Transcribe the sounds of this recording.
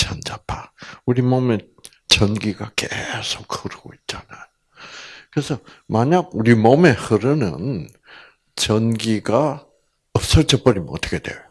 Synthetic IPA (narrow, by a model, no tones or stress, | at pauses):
t͡ɕand͡ʑapʰauɾimʌme | t͡ɕʌnɡiɡakesʰok̚hɯɾɯɡo̰it̚t͡ɕ͈anajo | kɯɾesʰʌmaɲaɡ̚uɾimʌme̞hɯɾɯnɯ̰n | t͡ɕʌnɡiɡa | ʌp̚s͈ʌɭt͡ɕʌp͈ʌɾimʌtʰʌ̥kʰed̥wejojo